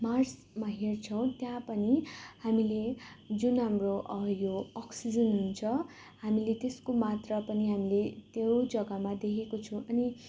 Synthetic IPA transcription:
mars | maɦert͡sʰʌw̃t̪jãpʌnihamiled͡zunɦamroʔʌjoʌksid͡zʌnɦunt͡sʰʌ | hamilet̪eskomat̪rʌpʌniɦamilet̪jod͡zʌɡʌmad̪ekʰekot͡sʰũʔʌni

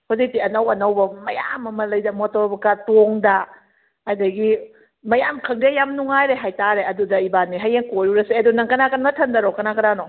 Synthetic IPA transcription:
hozik̚tiɐnɐwɐnɐwbɐmɐja̰mɐmɐlɐjdɐmɔtɔɾbɐkatoŋdaː | jdɐɡi | mɐjamkʰɐŋdejamnuŋajɾeɦajtaɾeɐdudɐibanːiɦajeŋkoɾuɾɐseedunɐŋkɐnakanmɐtʰɐndɐɾɔkɐnakɐɾanɔ

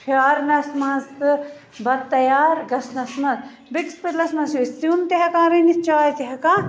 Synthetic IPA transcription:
pʰaːɾnɐsmɐzɨ | bɐd̪̚t̪ːɐjaːɾɡɐsnɐsmɐz | bikspet̪lɐsmɐsjosunt̪eɦɛkãːɾinit͡ʃaːjt̪eɦɛkãː

